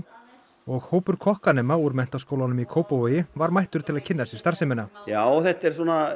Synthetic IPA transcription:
ɔɣhoːwpʏɾ̥kʰɔhkanɛːmauːɾmɛn̥t̪askoːwlanʏmikʰoːwpovœːjɪvaɾmajht̪ʏɾ̥t̪ʰɪlaðcʰɪnːasɪ̥st̪ar̥sɪmɪnajaːwθɛht̪ːɛɾ̥suɔna

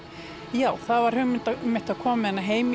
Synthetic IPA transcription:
jaːwθaðvaɾ̥hʏmɪnt̪amːɪ̥t̪aðkʰɔːmamɛðɛnːaɦeːjmi

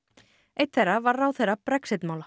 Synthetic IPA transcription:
ejt̪θɛjrːavaɾraːwθejrapɾɛksɪt̪maːwla

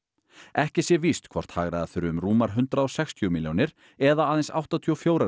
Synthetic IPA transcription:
ɛhcɪsjɛvist̪kʰvɔ̰r̥t̪ha̰ːɣɾaðaθʏɾʏʏmruːmaɾ̥ɦʏnt̪ɾaɔwsɛkst̪ʰiumiljownɪɾ | ɛðaaːðɛnsa̰wht̪at̪ʰiɔfjoːwɾa

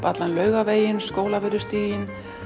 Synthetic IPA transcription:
pat̪lanlœːɥɣaveːjɪnskoːwlavɪɾʏst̪iːjɪn

